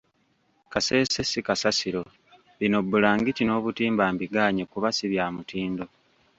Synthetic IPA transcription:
kase̞ːsesikasasiɾo̞ | βino̞bːulaːŋɡicino̞ːβutiːmbaːmbiɡaːɲekuβasiβjaːmutiːndo̞

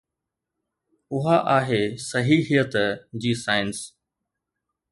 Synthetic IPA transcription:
ʊɦaʔaːɦeːsɐɦiːɦijət̪d͡ʑiːsaːɪns

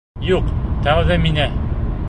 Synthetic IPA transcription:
juqt̪ɒʁðæminæ

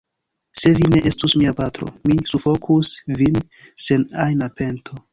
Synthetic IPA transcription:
se̞vine̞ʔe̞stusmiapatɾo̞̰misufo̞kʰusvin | se̞najnape̞ntʰo̞

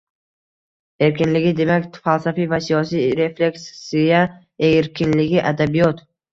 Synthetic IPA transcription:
e̞ɾkʲɪnlɪɡʲɪd̪e̞mak̪ʲfalˠsafijvasijɒsijɾe̞fle̞kʲssija | eɾkʲɪnlɪɡʲɪʔad̪abijɒt̪

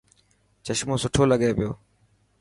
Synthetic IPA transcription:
t͡ʃəʃmõːsʊʈʰoːləɠeːpɪjoː

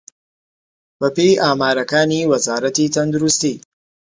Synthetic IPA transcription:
b̥ɐpejʔaːmaːɾɐkaːniːwɐzaːɾɐt̪iːt̪ʰɐnd̪uɾust̪iː

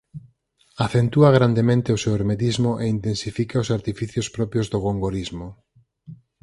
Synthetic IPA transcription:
aθent̪uaɣ̞ɾand̪emẽnt̪eoseweɾmet̪izmʊʔeint̪ensifikaosaɾt̪ifiθjospɾɔpjozðoɣoŋɡoɾizmʊ

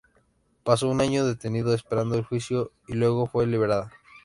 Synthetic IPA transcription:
pas̬o̞unaɲoðe̞t̪e̞niðoespe̞ɾand̪oelxwisjo̞ | ilwe̞ɣ̞o̞fwe̞liβ̞e̞ɾaða

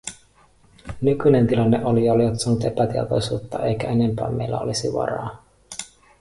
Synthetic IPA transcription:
nykyne̞nt̪ilɑnːeʔolijɑoliʋɑt̪suɑnːut̪e̞pæt̪iḛt̪o̞jsuːt̪ːɑʔe̞jkæe̞ne̞mpæ̰ːme̞̰jlːæ̰olisiʋɑ̰ɾɑ̰ː

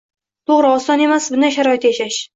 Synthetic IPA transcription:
t̪ʰoʁɾɪɒsɒne̞masbʊnaʃaɾɒɪt̪ʰjaʃaʃ

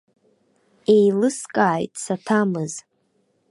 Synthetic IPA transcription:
e̞jlɨskʼaːjtʼsatʰamɨz

